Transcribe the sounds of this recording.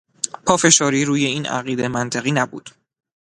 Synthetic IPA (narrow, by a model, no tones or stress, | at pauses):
pʰɒːfe̞ʃɒːɾiːɾuːje̞iːnæ̰ɣiːd̪e̞mænt̪ʰeɣiːnæbṵːd̪̥